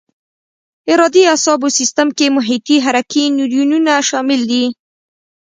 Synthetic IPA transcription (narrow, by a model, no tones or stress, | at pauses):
ɪɾɑd̪iasɑbosist̪amkemʊɦit̪iɦaɾakinuɾjununaʃɑmɪld̪i